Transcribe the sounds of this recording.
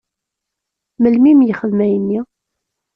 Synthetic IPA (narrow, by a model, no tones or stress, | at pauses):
məlmimjəχəðmæjənːi